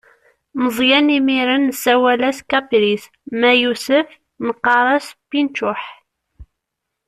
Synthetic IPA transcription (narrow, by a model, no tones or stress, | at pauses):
məzˤjænimiɾənːsæwælæskɑpɾis | mæjusəf | nəqːɑɾˤɑspːint͡ʃʊħ